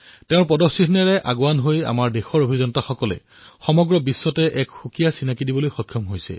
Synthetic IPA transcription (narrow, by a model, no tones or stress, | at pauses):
teʊ̃ɹpɔdɔsitʰnɛɹɛʔaɡowanɦoja̰maɹdexɔɹobʱizɔnɔtaxɔkɔlɛ̰ | xɔmɔɡɹɔbisːɔtɛʔɛkxukijasinakidibolojxɔkʰːjɔmɦojsɛ̰